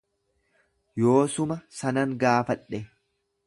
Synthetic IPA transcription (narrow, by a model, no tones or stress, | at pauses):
joːsʊmɐsɐnɐŋɡaːfɐᶑɛ